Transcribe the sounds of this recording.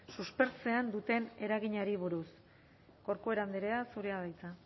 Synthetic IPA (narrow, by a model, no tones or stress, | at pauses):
suspe̞ɾt͡se̞and̪ut̪e̞ne̞ɾaɣiɲaɾiβ̞uɾus | ko̞ɾkoe̞ɾand̪eɾeasuɾeaðajt͡sa